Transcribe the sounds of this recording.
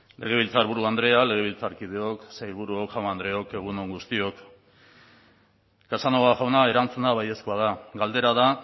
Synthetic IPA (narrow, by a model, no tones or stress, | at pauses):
lʔe̞̰ɣ̞e̞β̞ilt͡saɾβuɾuand̪ɾe̞ale̞ɣe̞βilt͡saɾkið̞e̞o̞ksajβuɾuokʝamand̪ɾe̞o̞ke̞ɣ̞unoŋɡust̪io̞k | kasanoɣaʝawnae̞ɾant͡sunaβaje̞skoað̞aɡald̪e̞ɾaða